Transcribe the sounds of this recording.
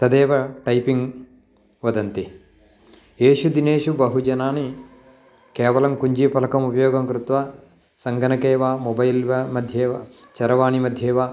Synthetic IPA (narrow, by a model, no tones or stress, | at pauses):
t̪ɐd̪eːʋɐʈɐjpiŋɡ | ʋɐd̪ɐnt̪i | eːʃud̪ineːʃubɐɦud͡ʒɐnaːni | kɛːʋɐlɐmkuɲd͡ʒipɐlɐkɐmupɐjɔːɡɐmkɾut̪ʋa | sɐŋɡɐnɐkeːʋaːmobɐjlʋɐmɐd̪ʱjeːʋat͡ʃɐɾɐʋaːnimɐd̪ʱjeːʋaː